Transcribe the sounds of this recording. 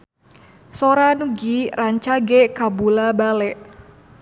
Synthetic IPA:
soɾanɡiraɲt͡ʃaɡɛkabulabalɛʔ

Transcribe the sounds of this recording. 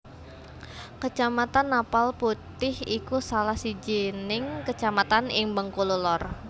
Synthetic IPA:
kət͡ʃamat̪anːapalput̪ɪhikusalahsid͡ʒinɪŋkət͡ʃamat̪anɪŋbəŋkululɔr

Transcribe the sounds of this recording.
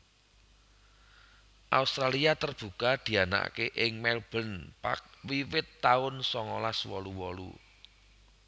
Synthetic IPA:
ʔa̰ust̪ɾaliat̪ərb̥ṳkad̪̥i̤ana̰keʔɪŋmɛlb̥ə̤npa̰k̚wiwɪt̪ːaʊnsɔŋɔlaswɔluwɔlṵ

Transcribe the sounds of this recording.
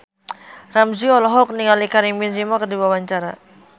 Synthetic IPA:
ramziɔlɔɦɔk̚niŋalikaɾiŋminzimakərdiwawaɲt͡ʃaɾa

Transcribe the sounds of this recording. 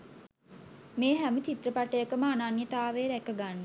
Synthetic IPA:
meːɦæmət͡ʃit̪ɾəpaʈəjəkəməananjət̪aːʋeɾækəɡanːə

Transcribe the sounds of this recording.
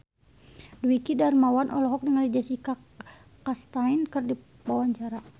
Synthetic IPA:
duikidarmawanʔɔlɔɦɔk̚dəŋalid͡ʒasika | kast̪ainkɨrdi | pawaɲt͡ʃaɾa

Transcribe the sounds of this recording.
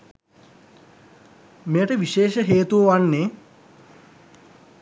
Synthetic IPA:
mejəʈəʋiʃeːʃəɦeːt̪uʋəʋanːe

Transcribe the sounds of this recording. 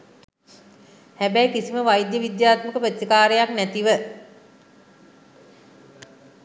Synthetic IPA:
hæbæjkisiməʋajd̪jəʋid̪jaːt̪məkəpət̪səkaːɾəjaknæt̪iʋə

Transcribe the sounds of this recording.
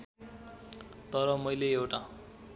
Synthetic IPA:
t̪ʌɾʌmʌjleewʈa

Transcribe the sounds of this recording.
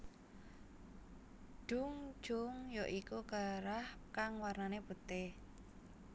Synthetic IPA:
d̥uŋ̥ʒ̥ʊŋjɔʔikuɡ̥a̤ɾahkaŋwarnaneb̥ṳt̪e

